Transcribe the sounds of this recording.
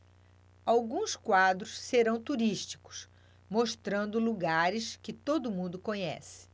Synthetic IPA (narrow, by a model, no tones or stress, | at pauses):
awɡũskwad̪ɾʊsːeɾɐ̃w̃t̪uɾiʃt͡ʃi̥kʊ̥s | moʃt̪ɾɐ̃nd̪ʊluɡaɾɪskɪt̪od̪ʊmũnd̪ʊkõɲɛ̰sɪ̥